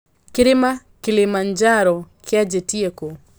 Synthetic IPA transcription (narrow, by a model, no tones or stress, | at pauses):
kiɾima | kilimaɲd͡ʒaɾɔkjad͡ʒɛtiɛku